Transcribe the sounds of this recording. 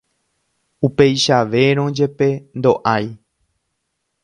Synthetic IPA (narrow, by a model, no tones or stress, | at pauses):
upe̞jʃaʋe̞ɾ̃õd͡ʒe̞pe̞nd̪o̞ʔaj